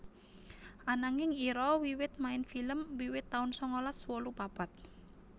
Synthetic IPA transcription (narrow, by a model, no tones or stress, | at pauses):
ʔanaŋɪŋiɾɔwiwɪt̪̚maɪnfiləmwiwɪt̪ːaʊnsɔŋolaswɔlupapat̪̚